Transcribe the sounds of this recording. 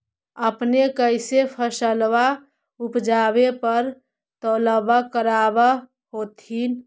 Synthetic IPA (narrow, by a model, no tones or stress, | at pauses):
əpnekəɪsepʰəsəlwa | upd͡ʒabepəɾ | t̪oləbakəɾaba | ɦot̪in